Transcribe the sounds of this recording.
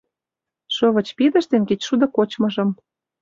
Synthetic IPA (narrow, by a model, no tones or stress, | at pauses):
ʃɤ̆βɤ̆t͡ɕpid̪ə̆ʃt̪enket͡ɕʃud̪ɤ̆kot͡ɕmɤ̆ʒɤ̆m